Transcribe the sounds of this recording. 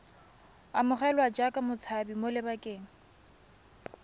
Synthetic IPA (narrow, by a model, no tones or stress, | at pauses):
amʊχɛlwad͡ʒakʼamʊt͡sʰabimolɪbakʼeːŋ̩